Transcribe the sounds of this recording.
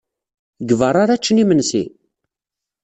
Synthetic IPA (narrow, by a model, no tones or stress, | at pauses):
ɡəvərˤaɾæt͡ʃːnimənsḭ